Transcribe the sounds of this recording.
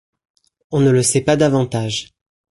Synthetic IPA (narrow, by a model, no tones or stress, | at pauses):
ɔ̃nələsɛpad̪avɑ̃t̪aʒ